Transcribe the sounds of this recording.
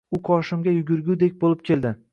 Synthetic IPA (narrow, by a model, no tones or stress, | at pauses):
ʊqʰɒʃɪmɡʲajʊɡʲʊɾɡʲud̪e̞k̚ʲbolˠɪp̚kʲʰe̞ld̪ɪ